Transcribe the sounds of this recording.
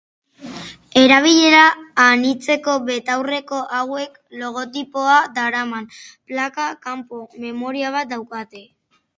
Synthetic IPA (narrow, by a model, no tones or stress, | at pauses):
e̞ɾaβ̞iʎe̞ɾaːnit͡se̞ko̞βe̞t̪awre̞ko̞ʔawe̞k | lo̞ɣ̞o̞t̪ipo̞ad̪aɾamanplakakampo̞me̞mo̞ɾiaβ̞at̪̚d̪awkat̪e̞